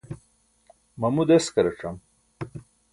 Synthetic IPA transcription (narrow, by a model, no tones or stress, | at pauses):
mɐmud̪eskɐɾɐʈ͡ʂɐm